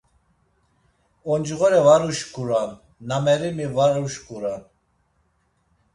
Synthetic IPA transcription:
ɔnd͡ʒɣɔɾɛvaɾuʃkʰuɾanː | amɛɾimivaɾuʃkʰʼuɾan

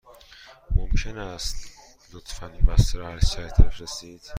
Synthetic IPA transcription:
momcʰenæst̪ | lot̪ʰfænibæst̪ɾɒhæɾsæɾt̪ʰefɾesiːd̪̥

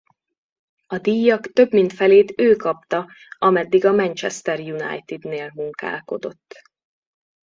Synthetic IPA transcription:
ɒd̪ijːɒkt̪ø̞bmint̪fɛleːt̪øːkɒpt̪ɒ | ɒmɛd̪ːiɡɒmɛnt͡ʃɛst̪ɛrjunɒ̰jt̪id̪neːlmuŋka̰ːlko̞d̪o̞̰t̪ː

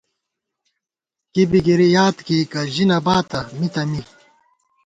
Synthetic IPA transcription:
kibiɡiɾijaːt̪kiːkɐʑinɐbaːt̪ɐmit̪ɐmi

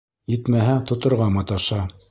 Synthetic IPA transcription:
jit̪mæɦæt̪ŏt̪ŏɾʁɑmɤt̪ɑʃɑ

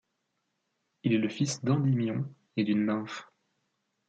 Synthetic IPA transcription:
ilɛləfisd̪ɑ̃d̪imjɔ̃ | ed̪ynːãf

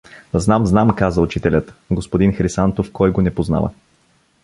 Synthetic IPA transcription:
znamznamkazəʊt͡ʃit̪ɛlʲət̪ɡospod̪inxɾisant̪ofkɔjɡonɛpozna̰və̰

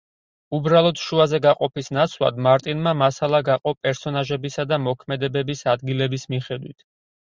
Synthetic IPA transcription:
ubɾalˠɔd̪̥ʃuazɛɡaqʼɔpisnat̪sʰlˠa̰d̪maɾt̪ʼinmamasalˠaɡaqʼɔpʼɛɾsɔnaʒɛbisad̪amɔkʰmɛd̪ɛbɛbisad̪ɡilɛbismiχɛd̪wḭt̪ʰ

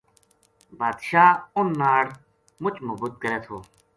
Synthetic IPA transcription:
baːd̪ʃaːʊnːaːɽ | mʊt͡ʃmobut̪̚kəɾeːt̪ʰoː

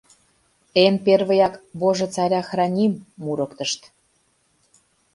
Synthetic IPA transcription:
enperβəjɑkβoʒĕt͡sɑɾʲɑxrɑnʲimːuɾəkt̪əʃt̪

